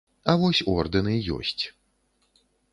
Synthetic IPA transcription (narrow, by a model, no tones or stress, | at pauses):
ɐvɔsʲɔrd̪ɨnɨjɔ̰sʲt͡sʲ